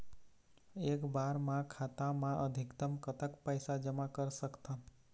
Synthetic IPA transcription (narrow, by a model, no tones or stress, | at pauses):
ekbaɾmãkʰat̪ãmãʔəd̪ʱɪkt̪əmkət̪əkpəjsad͡ʒəmakəɾsəkt̪ʰən